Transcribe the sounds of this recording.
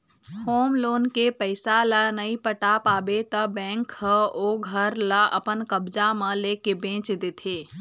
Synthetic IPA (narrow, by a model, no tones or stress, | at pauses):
hoːmloːnkepəɪsalanɐipəʈaːpaːbet̪əbɛ̃ːŋkhəoːɡʱɐɾlaʔɐpənkəbd͡ʒamə̃leːkebẽːt͡ʃd̪eːt̪ʰeː